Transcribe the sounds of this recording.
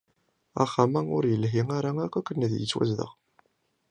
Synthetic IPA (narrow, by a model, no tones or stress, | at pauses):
a̰χːamæʊ̰ɾjəlɦiŋaɾaækʷːækʷːənæðjə̰t͡sːwæ̰zðə̰ʁ